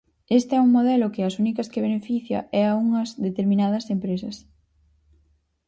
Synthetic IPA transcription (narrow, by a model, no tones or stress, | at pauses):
est̪ɛuŋmoðɛlʊkɪɐsunikɐskeβ̞enefiθjɐ̰ʔɛɐuŋɐzðet̪eɾmĩnað̞ɐsempɾesɐs